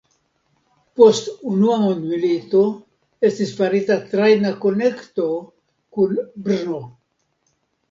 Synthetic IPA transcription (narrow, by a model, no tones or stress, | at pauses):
post̪unuamond̪milit̪o | est̪isfaɾit̪at̪ɾajnakonekt̪o | kunbɾno